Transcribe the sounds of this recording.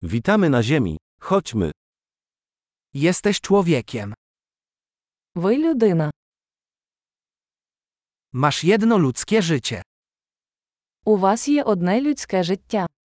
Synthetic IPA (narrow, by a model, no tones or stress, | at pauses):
vʲit̪amɘnaʑɛmʲḭ | xɔt͡ɕmɘ̰ | jɛst̪ɛɕt͡ʂwɔvʲjɛkʲɛm | ʋɪlʲud̪ɪnɐ | maʂjɛd̪nɔlʲut̪skʲɛʐɘt͡ɕɛ̰ | uʋasjɛʔɔd̪nɛlʲutʲsʲkɛʐɪtʲːa